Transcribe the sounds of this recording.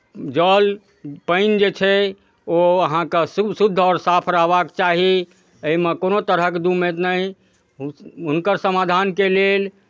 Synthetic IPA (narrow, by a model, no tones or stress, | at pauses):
d͡ʒəl | pəɪnd͡ʒet͡ʃʰɛ | oəɦãkessud̪ʱːɔːɾsapʰɾaɦbakt͡ʃaɦi | əimekonot̪əɾəked̪umet̪nəj | ɦunkəɾsəmad̪ʱankelel